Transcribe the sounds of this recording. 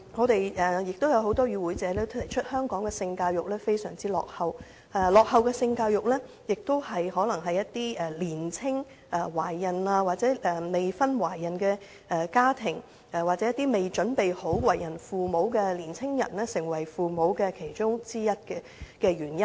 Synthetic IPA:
ŋɔː˨˧t̪e˨jɛː˨˩jɪ˨k̚t̪o˥wjɐ˨˧who˨˥wt̪ɔː˥ɥyː˨˧wuː˨˧˥jt͡sɛː˨˧lɛː˥t̪ʰɐ˨˩jt͡ʃʰɵ˥t̚hœː˥ŋkɔː˨˥ŋkɛ˧sɪ˧ŋkaː˧wjʊ˨k̚lɛː˥fe˥jsœː˨˩ŋt͡siː˥lɔ̰ː˨k̚hɐ˨w | ɛ˧lɔː˨k̚hɐ˨wkɛː˧sɪ˧ŋkaː˧wjʊ˨k̚lɛː˥ | jɪ˨k̚t̪o˥whɐ˨jhɔː˨˥lɐ˨˩ŋɦɐ˨jːɐ˥t̚t̪ːiː˥ɛː˨˩liː˨˩nt͡sʰɪ˥ŋ | ɐ˧waː˨˩jːɐ˨˩nlaː˧waː˨t̚t͡sɛː˨˥ʔɛ˨˩me˨jfɐ˥nwaː˨˩jːɐ˨˩nkɛː˧ | ɛ˧kaː˥t̪ʰɪ˨˩ŋ | ɛ˨˩waː˨t̚t͡sɛ˨˦jɐ˥t̪ːiː˥me˨˩jt͡ʃɵ˨˥npe˨jho˨˥wwɐ˨˩jɐ˨˩nfuː˨mo˨˥wkɛ˧liː˨˩nt͡sʰɪ˥ŋjɐ̰˨˩nlɛː˥sɪ˨˩ŋwɐ˨˩jfuː˨mo˨˥wkɛ˧kʰe˨˩jt͡ʃʊ˥ŋt͡siː˥jɐ˥t̚kɛː˧ | kɛː˧ɥyː˨˩njɐ˥n

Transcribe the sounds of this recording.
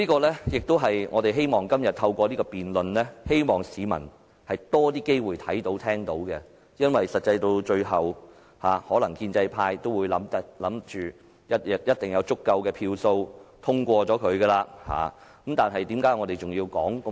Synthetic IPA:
liː˥kɔː˧lɛ˥jɪ˨k̚t̪o˥wɦɐ˨jŋɔ̰ː˨˧t̪e˨˩ɦe˥jmɔː˨˩ŋkɐ˥mjɐ˨t̚t̪ʰɐ˧wkʷɔː˧liː˥kɔː˧piː˨nlɵ˨nlɛː˥he˥jmɔː˨˩ŋsiː˨˧mɐ̰˨˩n | hɐ˨jt̪ɔː˥t̪iː˥ke˥jwuː˨jt̪ʰɐ˨˥jt̪o˨˥wt̪ʰɛː˥ŋt̪o˨˥wɡɛ˧ | jɐ˥nwɐ˨jsɐ˨t̚t͡sːɐ˧jt̪o˧wt͡ʃɵ˧ɥɦɐ˨w | ha̰ː˨hɔː˨˥lɐ˨˩ŋkiː˧nt͡sɐ˧jpʰaː˧jt̪o˥wuː˨˧jlɐ˨˥mt̪ɐ˨lɐ˨˥mt͡ʃyː˨ | jɐ˥t̚jɐ˨t̚jɐ˥t̚t̪ɪ˨˩ŋjɐ˨˧wt͡sʊ˥kːɐ˧wkɛː˧pʰiː˧wso˧wt̪ʰʊ˥ŋkʷɔː˧t͡sɔː˨˥kʰɵ˨˧ɥɡɛ˧laː˧ha̰ː˨˩kɐ˨˦mt̪aː˨nɦɐ˨jt̪iː˨˥mkaː˨˥jŋɔː˨˧t̪e˨jt͡sʊ˨ŋjiː˧wkɔ̰ː˨˥ŋk

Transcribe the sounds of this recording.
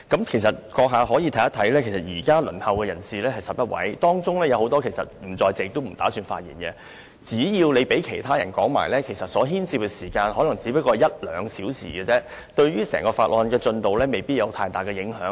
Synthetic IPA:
kɐ˨˥mkʰe˨˩jsɐ˨t̚kɔː˧k̚ɦaː˨˧ɦɔː˨˥jiː˨˧t̪ʰɐ˨˥jɐ˥t̪ʰɐ˨˥jlɛː˥kʰe˨˩jsɐ˨t̚jiː˨˩kaː˥lɵ˨˩nhɐ˨wkɛ˧jɐ̰˨˩nsiː˨lɛː˥hɐ˨jsɐ˨p̚jɐ˥t̚wɐ̰˨˥jt̪ɔː˥ŋt͡sʊ˥ŋlɛː˥jɐ˨˧who˨˧˥wt̪ɔː˥kʰe˨˩jsɐ̰˨t̚m̩˨˩t͡sɔː˧jt͡sɛ˨ɪ˨k̚t̪o˥m̩˨˩t̪a̰ː˨˥syː˧nfaː˧t̚jḭː˨˩nkɛ˧ | t͡siː˨˥jiː˧wle˨˧jpe˨˥jkʰe˨˩jt̪ʰaː˥jɐ˨˩nkɔː˨˥ŋma̰ː˨˩jlɛː˥kʰe˨˩jsɐ˨t̚sɔː˨˥ɦiː˥nsiː˧p̚kɛ˧siː˨˩kaː˧nhɔː˨˥lɐ˨˩ŋt͡siː˨˥pɐ˥t̚kːɔː˧jɐ˥t̚lœː˨˧ŋsiː˨˥wsḭː˨˩ɡɛ˧t͡sɛ˥ | t̪ɵ˧ɥɥyː˥sɛː˨˩ŋkɔː˧fa̰ː˨t̚ʔlɔː˨˧nkɛː˧t͡sɵ˧nt̪o˨wlɛː˥me˨jpiː˥t̚jɐ˨˧wt̪ʰaː˧jt̪aː˨˩jkɛː˧jɪ˨˧˥ŋɦœː˨˥ŋ

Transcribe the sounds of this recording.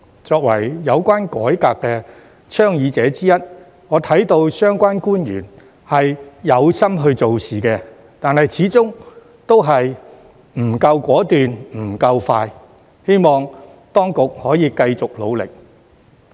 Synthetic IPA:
t͡sɔː˧k̚wɐ˨˩jjɐ˨˧wkʷaː˥nkɔ̰ː˨˥jkaː˧kːɛː˧ | t͡ʃʰœː˥ŋjiː˨˧t͡sɛː˨˧˥t͡siː˥jɐ˥t̚ | ŋɔː˨˧t̪ʰɐ˨˥jt̪o˧wsœː˥ŋkʷaː˥nkuː˥njyː˨˩n | hɐ˨jjɐ˨˧wsɐ˥mɦɵ˧ɥt͡so˨wsiː˨kɛː˧ | t̪aː˨nhɐ˨jt͡sʰiː˨˥t͡sʊ˥ŋ | t̪o˥wɦɐ˨j | m̩˨˩kɐ˧wkʷɔː˨˥t̪yː˨nm̩˨˩kɐ˧wfaː˧j | he˥jmɔː˨˩ŋ | t̪ɔː˥ŋkʊ˨k̚hɔː˨˥jiː˨˧kɐ˧jt͡sʊ˨k̚lo˨˧wlɪ̰˨k̚

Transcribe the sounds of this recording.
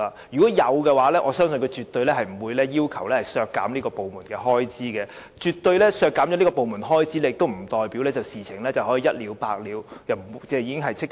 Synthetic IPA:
a˨ | jyː˨˩kɔː˨˥jɐ˨˧wkɛː˧waː˨˥lɛː˥ʔɔː˨˧sœː˥ŋsɵ˧nkɔ˧t͡ʃyː˨˩t̪ɵ˧ɥlɛː˥hɐ˨jm̩˨˩wu˨˧jlɛː˥jiː˥wkʰɐ˨˩wlɛː˥hɐ˨˩jsœː˧kːa̰ː˨˥mniː˥kɔː˧po˨wmuː˨˩nkɛː˧ɦɔː˥jt͡siː˥kɛː˧ | t͡ʃyː˨t̪ːɵ˧ɥlɛː˥sœː˧kːaː˨˥mt͡ɕɔ˨˥ni˥kɔː˧po˨wmuː˨˩nɦɔː˥jt͡siː˥le˧jɪ˨k̚t̪o˥wm̩˨˩t̪ɔː˨jpi˨˥wlɛː˥t͡sɐ˨˩wsiː˨˩t͡sʰɪ˨˩ŋlɛː˥t͡sɐ˨˩whɔ˨˥jiː˨˦jɐ˥t̚liː˨˧wpaː˧k̚liː˨˧wjɐ˨t͡sɛː˧jiː˧˥kɪ˥ŋɦɐ˨jt͡sʰɪ˥k̚

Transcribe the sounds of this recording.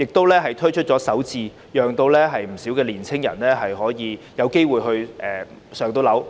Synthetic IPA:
jɪ˨k̚t̪o˥wlɛː˥ɦɐ˨jt̪ʰɵ˥ɥt͡ʃʰɵ˥t̚t͡ʃɔː˨˥sɐ˨˥wt͡siː˧ | jœː˨ŋt̪o˧wlɛː˥ɦɐ˨jm̩˨˩siː˨˥wkɛː˧liː˨˩nt͡sʰɪ˥ŋjɐ̰˨˩nlɛː˥ɦɐ˨jɦɔː˨˥jiː˨˧jɐ˨˧wke˥jwuː˨˩jɦɵ˧ɥʔɛː˨ | sœː˨ŋt̪o˧wlɐ˨˥w

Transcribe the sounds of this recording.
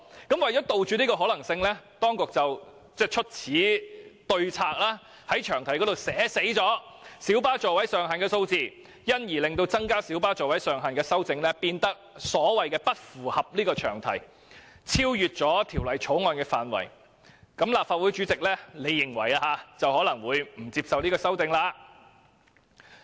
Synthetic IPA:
kɐ˨˥mwɐ˨jt͡ʃɔː˨˥t̪o˨˧wt͡ʃyː˨˧niː˥kɔː˧ɦɔː˨˥lɐ˨˩ŋsɪ˧ŋlɛː˥t̪ɔː˥ŋkʊ˨k̚t͡sɐ˨w | t͡sɛː˥˩t͡ʃʰɵ˥t̚t͡sʰiː˨˥t̪ɵ˧ɥt͡sʰaː˧k̚laː˥ | hɐ˨˥jt͡ʃʰœː˨˩ŋt̪ʰɐ˨˩jkɔ˨˥t̪o˨wsɛː˨˥se˨˥jt͡ʃɔː˨˥siː˨˥wpaː˥t͡ʃɔː˨wɐ˨˥jsœː˨ŋɦaː˨nkɛː˧so˧wt͡siː˨˧ | jɐ˥njiː˨˩lɪ˨ŋt̪o˧wt͡sɐ˥ŋkaː˥siː˨˥wpaː˥t͡sɔː˨˩wɐ˨˥jsœː˨ŋɦaː˨˩nkɛː˧sɐ˥wt͡sɪ˧ŋlɛ˥piː˧nt̪ɐ˥k̚sɔː˨˥wɐ˨jkɛː˧pɐ˥t̚fuː˨˩hɐ˨p̚liː˥kɔː˧t͡ʃʰœː˨˩ŋt̪ʰɐ̰˨˩j | t͡sʰiː˥wjyː˨t̚t͡sɔː˨˥t̪ʰiː˨˩wlɐ˨˩jt͡ʃʰo˨˥ŋɔː˧nkɛː˧faː˨˧nwɐ̰˨˩j | kɐ˨˥mlaː˨p̚faː˧t̚wuː˨˥jt͡ʃyː˨˥t͡sɪ˨k̚lɛː˥le˨˧jːɪ˨˩ŋwɐ˨˩ja˧haː˨˧t͡sɐ˨whɔː˨˥lɐ˨˩ŋwuː˨˧jm̩˨˩t͡siː˧p̚sɐ˨wniː˥kɔː˧sɐ˥wt͡sɪ˧ŋlaː˧

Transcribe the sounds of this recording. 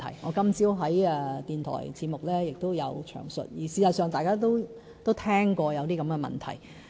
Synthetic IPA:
t̪ʰɐ̰˨˩jŋɔː˨˧kɐ˥mt͡siː˥wɦɐ˨˥jɛ˧t̪iː˨nt̪ʰɔ̰ː˨˩jt͡sʰiː˧t̚mʊ˨k̚lɛː˥jɪ˨k̚t̪o˥wjɐ̰˨˧wt͡ʃʰœ̰ː˨˩ŋsɵ̰˨t̚jiː˨˩siː˨˧sɐ˨tsœː˨ŋt̪aː˨jkaː˥t̪̬o˥w | t̪o˥wt̪ʰɛː˥ŋkɔː˧jɐ˨˧wt̪iː˥kɐ˨˧˥mkɛ˧mɐ̰˨˩nt̪ʰɐ̰˨˩j

